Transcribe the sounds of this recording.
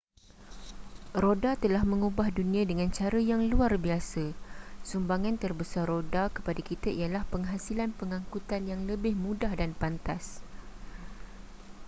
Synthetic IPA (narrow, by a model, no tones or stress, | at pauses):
rodat̪əlahmə̃ŋubahdunĩãdəŋãnt͡ʃaɾəjaŋluarbiasasumbaŋãnt̪ərbəsarːodakə̥padakit̪aijalahpəŋɦasilanpəŋãŋkut̪anjaŋləbɪhmũdahdanpant̪as